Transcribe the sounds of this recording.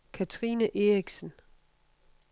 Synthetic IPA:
kʰæt͡sʰʁiːnəʔe̝ʁiɡ̥sən

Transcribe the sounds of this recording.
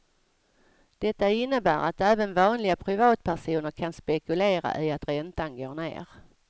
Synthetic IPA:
d̪̥ɛt̪ːaɪnːəbæːɾa̰t̪ɛːvənvɑːnlɪɡapʰɾɪvɑːt̪̚pʰæʂuːnəɾkʰanspɛkɵleːɾa̰ʔɪat̪ɾɛnt̪anɡoːnḛːɾ

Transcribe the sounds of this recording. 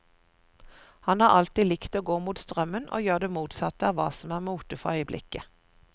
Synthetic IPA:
hɑnhɑːʁʔɑlt̪iːlɪkt̪oːɡoːmuːt̪st̪ʁœmənʔo̰ːjøːʁd̪eːmuːt̪sɑt̪əɑːʋɑ̰ːsɔmæːʁmuːt̪əfɔœʏəblɪ̰kə

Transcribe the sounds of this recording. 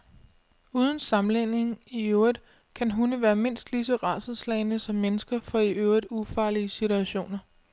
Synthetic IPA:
uːð̞ˠən̩sɑ̈mlene̝ŋiøʊið̥ˠ | kʰænɦunəʋæːɐme̝n̰sd̥lisəʁɑ̈səðˠslɛ̰ɪnəsɒ̽mːenəsɡ̥ɐfɒ̽iʔøʊid̥ˠufɑ̈ːliəsit͡suæɕo̝̰ːnɐ

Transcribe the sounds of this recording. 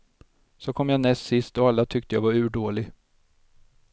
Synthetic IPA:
sɔkʰɔmːjaːnɛssɪst̪ɔalːat̪ʰʏk̚t̪əjaːvaɾʉ̟ːɖoːlɪɡ

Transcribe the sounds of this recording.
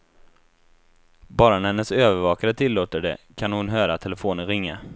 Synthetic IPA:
bɑːɾanæhɛnːəsøːvəɾvɑːkaɾət̪ʰɪlːoːt̪əɖɛ̰kʰanhʊnɦøːɾat̪ʰːɛləfoːnənɾɪŋːa̰

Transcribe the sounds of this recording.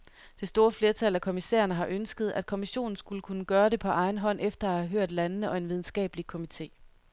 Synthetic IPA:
d̥e̝sd̥o̝ːɐfle̝ɐt͡sʰælækʰo̝misḛːɐnəɦɑ̈ʔønsɡ̥əð̞̩ˠæd̥̚kʰo̝miɕo̝̰ːn̩sɡ̥uləkʰunəɡ̥ɶːɐɾ̥e̝pʰɒ̽ʔɑ̈ɪn̩ɦɒ̽n̰ʔefd̥ɐæhæɦøɐ̰d̥lænnəʔɒ̽e̝nʋið̞ˠn̩sɡ̥ɛ̰ːb̥likʰo̝mit͡sʰe̝̰ː

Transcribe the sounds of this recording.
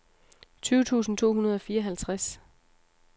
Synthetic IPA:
t͡sʰyːʊt͡sʰṵːsn̩t͡sʰo̝̰ːɦunɐð̞ˠɒ̽fiːɐɒ̽ɦælt͡sʰʁas

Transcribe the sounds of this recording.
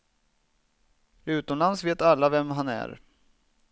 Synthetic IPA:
ʉ̟ːt̪ɔmlansveːt̪alːavɛmɦanæ̰ɾ

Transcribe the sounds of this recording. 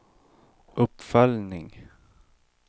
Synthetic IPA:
ʔɵpːfœlnɪŋ

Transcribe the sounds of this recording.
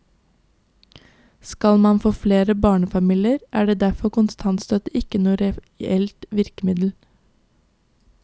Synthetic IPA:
skɑlmɑnfoːfleːɾəbɑːɳəfɑmiːlɪəɾʔæːɖeːd̪æfɔkʊnst̪ʰɑnst̪œt̪əɪkənuːəɾɛ | ɛlt̪ʋɪɾkəmɪd̪l̩

